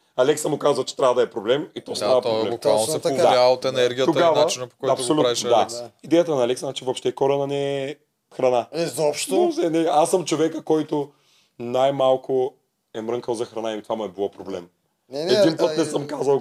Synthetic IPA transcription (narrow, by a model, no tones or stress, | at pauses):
ɐlɛksəmʊkazvət͡ʃɛ̥t̪ɾʲavəd̪ɐɛpɾoblɛmit̪ɔsavɐt̪oblɛmanɛpd̪aaot̪ɛnɛɾɡʲijət̪oɡavnat͡ʃinɐpokɔjɐtp̪solutɾiʃd̪asid̪ɛjət̪ənɐalɛksnat͡ʃivopʃt̪ɛkɔɾɐnɐnɛː | xɾɐnaɛzɔpʃt̪zɛnɛasːəmt͡ʃovɛkəkɔjt̪ʊ | najmalˠkʊ | ɛmɾɤŋkəlˠzɐxɾɐnaimt̪ovamuɛbilˠɔpɾoblɛm | ɛd̪inpənɛsəmkazə